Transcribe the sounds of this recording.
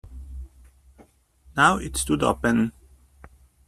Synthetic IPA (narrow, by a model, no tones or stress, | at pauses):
naʊɪtstudɔ̰b̥ɛñn